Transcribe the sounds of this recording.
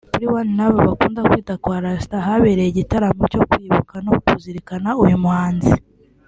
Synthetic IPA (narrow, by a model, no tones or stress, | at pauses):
buɾiwaninaβoβakuːndakwiːtakwaːɾasi̥taɦaβeɾejeɟitaɾamoco̞kwiːβukanokuziɾikanaujumuhaːnzi